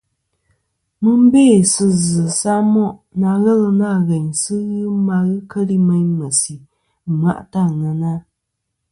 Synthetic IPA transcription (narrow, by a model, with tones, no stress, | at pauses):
mɨ˦m̩˦beː˦˨sɨ˦zɨ˨sa˦mɔ˦ʔna˨ɣɛ˦lɨ˦na˦˨ɣɛ˨ɲsɨ˦ɣɨ˦ma˧ɣɨ˦kə˦li˦mɛ˦ɲmə˨si˨ | ma̰˨ʔta˦˨ŋə˨na˦